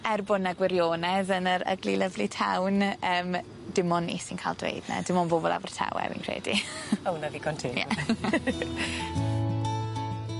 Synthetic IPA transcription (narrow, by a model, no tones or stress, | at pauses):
ɛrbʊnaɡwɪɾjoːnɛðənəɾə̰ɡlilˠəvlitʰawnəːm | dɪmɔnḭsinkʰaːlˠdwḛjdna̰dɪmɔnboːbɔlˠa̰vər̥tʰa̰wɛ̰vḭnkʰr̥ḛːdiownaviːɡʰɔntʰɪjɛ̰